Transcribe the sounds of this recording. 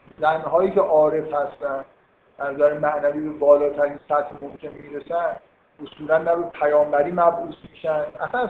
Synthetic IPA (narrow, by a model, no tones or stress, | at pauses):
zænɦɒːjiːceʔɒːɾe̞fhæst̪ænd̪ | ænzæɾemæʔnæviːbe̞bɒːlɒːt̪ʰæɾiːnsæt̪hmomkʰʲe̞nmiːɾesæn | ʔosuːlænːæbe̞pʰæjɒːmbæɾiːmæbʔuːsmiːʃænd̪ʔæ̰sæn